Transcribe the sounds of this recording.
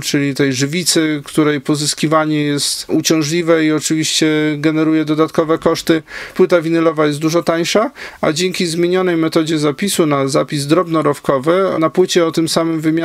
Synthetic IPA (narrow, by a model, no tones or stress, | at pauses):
t͡ʂɘlʲit̪ɛjʐɘvʲit̪sɘkt̪uɾɛjpɔzɘskʲivaɲɛjɛst̪ut͡ɕɔ̃w̃ʐlʲivɛiɔt͡ʂɘvʲiɕt͡ɕɛɡɛnɛɾujɛd̪ɔd̪at̪kɔvɛkɔʂt̪ɘpwɘt̪avʲinɛlɔvajɛst̪d̪uʐɔt̪aɲʂaa̰d͡ʑɛŋkʲizmʲjeɲɔnɛjmɛt̪ɔd͡ʑɛzapʲisunazapʲizd̪ɾɔbnɔɾɔfkɔvɘnapwɘt͡ɕɛɔt̪ɘmsamɘmvɘmʲa